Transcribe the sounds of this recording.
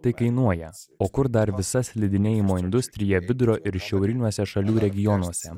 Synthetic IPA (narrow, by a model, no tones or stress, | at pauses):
t̪ɐɪkɐɪnuɔjɛoːkʊɾd̪ɐɾʋʲɪsɐsʲlʲɪd̪ʲɪnʲeːjɪmoːɪnd̪ʊsʲt̪ʲɾʲɪjɛʋʲɪd̪ɾoːʔɪɾʃʲɛʊɾʲɪnʲuɔsʲɛʃɐlʲuːɾʲɛɡʲɪjɔnuɔsʲɛ